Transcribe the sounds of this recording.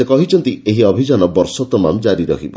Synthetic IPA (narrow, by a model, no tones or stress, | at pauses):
ekɔɦit͡ʃʰɔnt̪ieɦiɔbʱid͡ʒanɔbɔɾsɔt̪ɔma̰md͡ʒaɾiɾɔ̰kʰḭbɔ̰